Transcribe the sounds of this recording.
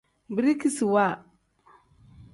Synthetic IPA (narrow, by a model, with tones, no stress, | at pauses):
bi˨ɾi˦ki˦si˨wa˦˨